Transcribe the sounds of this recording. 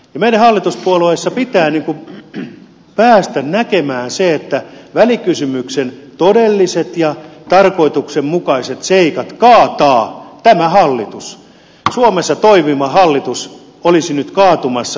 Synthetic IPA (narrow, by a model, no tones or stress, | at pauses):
jɑmeiɾæhɑlːit̪uspuoloesːɑpit̪æːniːŋku | pæːst̪ænnækemæːnseet̪ːæʋælikysymyksent̪odelːiset̪jɑt̪ɑrkoit̪uksemmukɑiset̪seikɑt̪kɑːt̪ɑːt̪æmæhɑlːit̪us | suomesːɑt̪oiʋimɑhɑlːit̪us | olisinyt̪kɑːt̪umɑsːɑ